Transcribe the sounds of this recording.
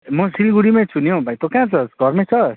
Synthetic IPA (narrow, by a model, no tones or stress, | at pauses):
mʌsilɡuɽimãt͡sʰunjõbʱajt̪okãt͡sʰʌsɡʱʌrmet͡sʰʌ